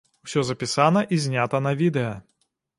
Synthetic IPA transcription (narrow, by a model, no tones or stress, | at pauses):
wsʲɔzɐpʲisanɐʔizʲnʲat̪ɐnɐvʲid̪ɛjɐ